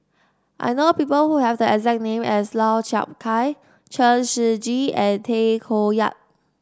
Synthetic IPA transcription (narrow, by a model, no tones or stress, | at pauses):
ʔa̰jnopiːpəlhuhɛvdəɛkzɛk̚nẽmɛslaʊt͡ʃa̰p̚kʰaj | t͡ʃəʃid͡ʒiɛ̃ntʰekʰoja̰t̚